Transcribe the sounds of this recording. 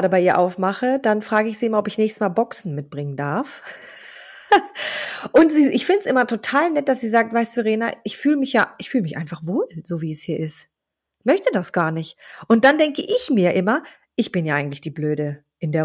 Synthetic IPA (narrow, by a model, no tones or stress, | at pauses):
ɾəbaɪʔiːɐʔa̰ʊfmaχəd̥anfʁ̥aːɡəɪçz̥iːʔɪmɐɔpɪçnɛːçstəsmaːlbɔksn̩mɪt̚b̥ʁɪŋəndaɐf | ʔʊntz̥iːʔɪçfɪndəsʔɪmɐtʰotʰaːlnɛt̚d̥asz̥iːzaːk̚tvaɪstuveʁeːnaʔɪçfyːləmɪçjaːʔɪçfyːləmɪçʔa̰ɪnfaχv̥oːlz̥oːviːɛshiːɐʔɪst | mœçtədasɡ̥aːɐnɪçtʔʊnt̚d̥andɛŋkəʔɪçmiːɐʔɪmɐ | ʔɪçb̥ɪnjaːʔaɪɡŋ̩tlɪçd̥iːbløːɾə | ʔɪndeːɐ